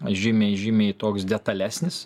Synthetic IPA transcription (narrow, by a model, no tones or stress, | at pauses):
ʒʲimʲeːʒʲɪmʲeːit̪oːksd̪ʲɛt̪ɐlʲæːsʲnʲɪs